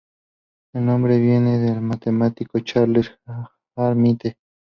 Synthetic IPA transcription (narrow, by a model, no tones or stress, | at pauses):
elnõmbɾeβjeneðelmat̪emat̪ikot͡ʃaɾleɾ | aɾmit̪e